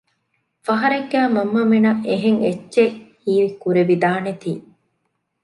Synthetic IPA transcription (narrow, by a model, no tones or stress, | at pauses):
fɐɦɐɾeɡːæːmɐmːɐminɐʔeɦeŋet͡ʃːʃehiːʋikuɾeʋid̪aːnet̪iː